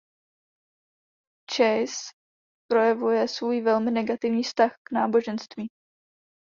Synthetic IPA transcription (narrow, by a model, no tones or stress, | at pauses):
t͡ʃɛjs | pɾo̞jɛvujɛsvuːjvɛlmɪnɛɡat̪ɪvɲiːfst̪axknaːbo̞ʒɛnst̪viː